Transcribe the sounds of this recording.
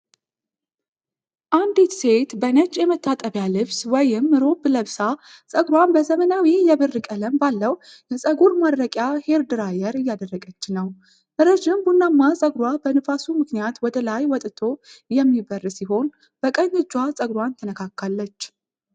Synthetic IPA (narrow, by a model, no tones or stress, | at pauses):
ʔand̪it̪se̞t̪bənət͡ʃʼːjɛmət̪ʰːat̪ʼəβjalɨβswɔjɪmːɨɾo̞bləβsa | sʼəɡɾwanbəzəmənawijɛβɨrːɨkʼələmbalːəw | jɛsʼəɡuɾmaɾːəkʼjahe̞ɾd̪ɨɾajɛɾɨjːad̪ərːəɡʼət͡ʃːɪnːəw | mɨɾəd͡ʒɪmbunːamːasʼəɡɾwabənɨfasumɨknijat̪wɔd̪əlajwɔt̪ʼt̪ʰo̞jɛmːibərːsiɦo̞n | b̥əkʼəɲɨd͡ʒːwasʼəɡɾwant̪ʰənəkʰakʰːalːət͡ʃː